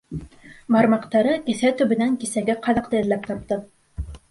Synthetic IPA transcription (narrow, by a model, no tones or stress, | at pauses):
mɑɾmɑqt̪ɑɾɤkɘ̆θæt̪ɵ̆βɘ̆næŋkisæɡæqɑðɑqt̪ɤɘ̆ðlæp̚t̪ɑp̚t̪ɤ